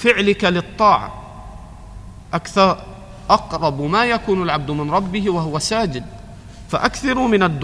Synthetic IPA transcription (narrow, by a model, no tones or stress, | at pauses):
fɪʕlɪkalɪɨt̪ˤːɑːʕa̰ | ʔakθɑɾˤ | ʔɑqɾˤɑbmajakuːnalʕabd̪mɪnɾˤɑbːɪhwahʊwasaːd͡ʒɪd̪̚ | fa̰ʔakθɑɾˤmɪnad̪ː